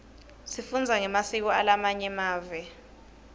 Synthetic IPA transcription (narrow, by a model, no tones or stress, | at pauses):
sifund͡zʱaŋɛmasik̬ɔalamaɲɛmaːvɛ